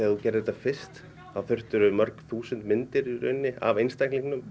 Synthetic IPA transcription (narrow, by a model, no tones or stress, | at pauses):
ɛːaθucɛɾɪðɛt̪ːafɪr̥st̪ | awθʏr̥t̪ʏɾʏmœɾkθuːsʏnt̪mɪnt̪ɪɾiɾʏ̰ɥnːɪa̰vejnst̪ajkliŋknʏm